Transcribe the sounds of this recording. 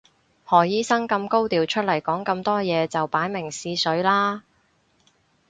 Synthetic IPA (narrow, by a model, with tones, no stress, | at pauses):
hɔː˨˩jiː˥sɐ˥ŋkɐ˧mko˥wt̪iː˨wt͡ʃʰɵ˥t̚lɐ˨˩jkɔː˨˥ŋkɐ˧mt̪ɔː˥jɛː˨˧t͡sɐ˨wpaː˨˥jmɪ˨˩ŋsiː˧sɵ˨˥ɥlaː˥